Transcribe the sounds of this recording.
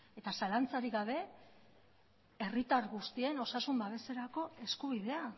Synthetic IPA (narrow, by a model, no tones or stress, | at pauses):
e̞t̪asalant͡saɾiɣaβ̞e̞ | e̞rit̪aɾɣust̪ie̞no̞sasumbaβe̞se̞ɾako̞e̞skuβ̞iðe̞a